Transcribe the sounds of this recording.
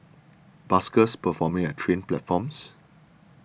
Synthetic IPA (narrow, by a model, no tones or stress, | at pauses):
b̥askəspəfɔmɪ̃ŋɛtʰɹẽnplɛ̰tfɔ̃ms